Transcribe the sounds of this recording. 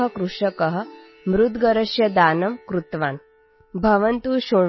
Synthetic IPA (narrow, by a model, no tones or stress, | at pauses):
ɦə̆kɾuʂɐkɐɦə̆ | mɾud̪ɡɐɾɐʃjɐd̪aːnɐmkɾut̪ʋaːn | bʱɐʋɐnt̪uːʃoː